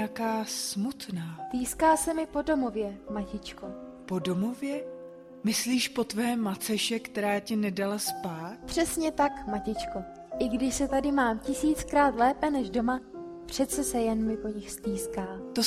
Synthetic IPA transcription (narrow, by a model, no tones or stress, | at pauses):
akaːsmut̪naːt̪iːskaːsɛmɪpo̞do̞mo̞vjɛmacɪt͡ʃko | po̞do̞movjɛ | mɪsliːʃpo̞t̪vɛːmat͡sɛʃɛkt̪ɛɾaːcɪnɛdalaspaːt̪̚pr̥ɛsɲɛt̪akmacɪt͡ʃko̞ | ʔɪɡdɪʃsɛt̪adɪmaːmcɪsiːt͡skɾaːt̪lɛːpɛnɛʒdo̞mapr̝̥ɛt̪t͡sɛsɛjɛnmɪpo̞ɲɪxst̪iːskaːt̪o